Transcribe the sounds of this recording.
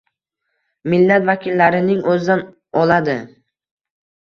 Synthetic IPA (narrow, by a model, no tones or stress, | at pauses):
mɪlːat̪vakʲʰɪlːaɾɪnɪŋɵzɪd̪an | ɒlˠad̪ɪ